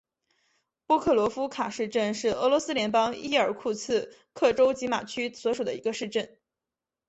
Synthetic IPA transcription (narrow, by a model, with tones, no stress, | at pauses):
pwɔ˥kʰɤ˥˩lwɔ˧˥fu˥kʰa˨˩ʂɻ̩˥˧ʈ͡ʂə˥˧nʂɻ̩˥˩ɤ˧˥lwɔ˧˥sɹ̩˥ljɛ˧˥npɑ˥ŋi˥˩ə˞˨˩kʰu˥˩t͡sʰɹ̩˥˧ | kʰɤ˥˩ʈ͡ʂo˥ʊt͡ɕi˧˥ma̰˨˩t͡ɕʰy˥swɔ˧˥ʂu˨˩d̪ə̰˦˧i˧˥ɡə˧ʂɻ̩˥˧ʈ͡ʂə˥˩n